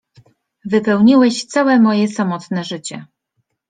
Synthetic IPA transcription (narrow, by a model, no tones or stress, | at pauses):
vɘpɛwɲiwɛɕt̪sawɛmɔjɛsamɔt̪nɛʐɘt͡ɕɛ